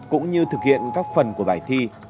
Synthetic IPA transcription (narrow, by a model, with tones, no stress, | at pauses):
kʊ̰˧˥ŋ͡mɲɨ˧t̪ʰɨ˨˩k̚hḭ˧˨ənkaː˦˥k̚fə˨˩nku˧˩əɓaː˧˩jt̪ʰi˧